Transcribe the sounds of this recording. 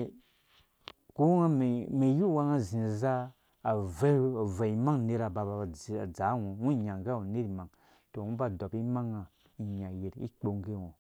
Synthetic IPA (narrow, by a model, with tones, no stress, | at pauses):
ko˦ŋa˦me˨me˨ju˦˨wa˦ŋa˦zĩ˨za˦ | a˨vɛ˦a˨va˨i˨ma˦ŋne˦ɾa˨ba˨ba˨a˨d͡za˨˦wõ˨wũ˦˨ɲa˨ŋ˨ɡa˦wu˨ne˦ɾi˨ma˨ŋ | to˨wũ˦ba˦dɔ˨pi˦ma˦ŋa˨ | i˨ɲa˨je˨ɾḭ˦k͡po˦ŋ˦ɡe˦˨wõ˨